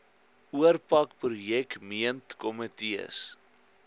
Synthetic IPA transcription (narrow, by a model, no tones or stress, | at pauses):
uərpɐkprujɛkmiəntkɔmətiə̰s